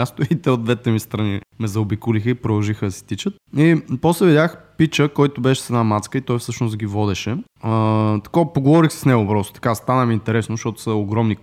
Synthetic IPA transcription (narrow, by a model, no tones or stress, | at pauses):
ast̪oit̪ɛod̪vɛt̪ɛmist̪ɾɐnimɛzɐʊbikʊlixəipɾod̪ɐlˠʒixəd̪ɐsɛ̥t̪it͡ʃət̪̚ipɔslɛvid̪ʲaxpit͡ʃəkɔjt̪ʊbɛʃɛ̥sɛnamat̪skəit̪ɔjfsɤʃnost̪ɡʲivɔd̪ɛʃɛ | ət̪ɐ̥kopoɡovɔɾixsɛ̥snɛɡʊpɾɔst̪o̥t̪ɐ̥kast̪anəmiːnt̪ɛɾɛsnoʃt̪ɔt̪ʊ̥səoɡɾɔmni